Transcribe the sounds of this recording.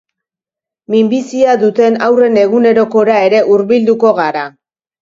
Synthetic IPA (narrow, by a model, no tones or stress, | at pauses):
mimbisiaðut̪e̞nawre̞ne̞ɣune̞ɾo̞ko̞ɾae̞ɾe̞ʔuɾβild̪uko̞ɣaɾa